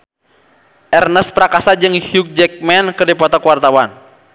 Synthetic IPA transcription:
ʔɛrnəspɾakasad͡ʒɨŋhjuk̚d͡ʒɛk̚mɛnkərdipɔt̪ɔkuwart̪awan

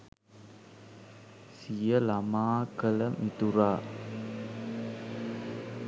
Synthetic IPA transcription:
sijəlamaːkələmʔit̪uɾaː

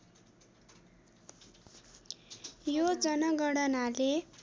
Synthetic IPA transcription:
jod͡zʌnʌɡʌɽʌnale

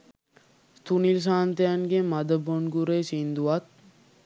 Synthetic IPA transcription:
t̪unils̬aːnt̪eaŋɡemad̪əbonɡuɾeːsind̪uʋɐt̪̚

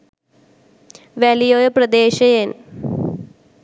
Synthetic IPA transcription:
ʋelijoːjɐprɐd̪eːʃɐjen

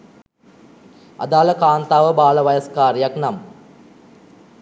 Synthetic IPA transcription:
ɐ̰d̪aːlɐkaːnt̪aːʋəbaːlɐʋɐjɐskaːɾjaknam

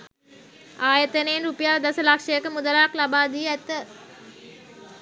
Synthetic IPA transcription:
aːjət̪əneːnɾupijaːʋəd̪asəlakʂəjəkəmud̪əlaːklabaːd̪iəæt̪ə

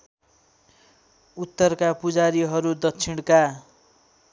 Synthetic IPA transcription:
ut̪ːʌrkapud͡zaɾiɦʌɾud̪ʌkt͡sʰiɽ̃ka

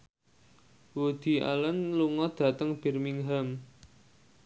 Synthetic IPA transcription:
wod̪̥i̤ʔa̰lənluŋɔd̪̥ä̤t̪əŋb̥ɛ̤rmiŋɦam

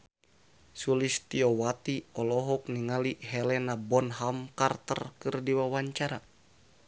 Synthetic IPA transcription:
sulist̪iɔwat̪iɔlɔɦɔk̚niŋaliɦɛlɛnabɔnɦamkart̪ə̰rkɨrdiwawaɲt͡ʃaɾa

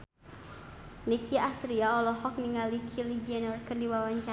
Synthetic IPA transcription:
nikiast̪ɾiaɔlɔɦɔk̚niŋalikʰilid͡ʒɛnɔrkərdiwawaɲt͡ʃa

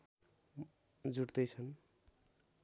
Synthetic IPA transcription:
d͡zuʈd̪ʌjt͡sʰʌn

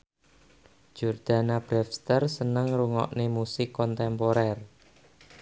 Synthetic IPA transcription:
d͡ʒ̥urd̪̥a̤nab̥ɾɛfst̪ərsənəŋruŋɔ̰ʔnemusɪkːɔnt̪ɛmpoɾɛr

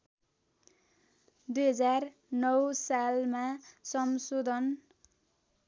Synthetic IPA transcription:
d̪ujɦʌd͡zar | nʌwsalmasʌmsod̪ʱʌn

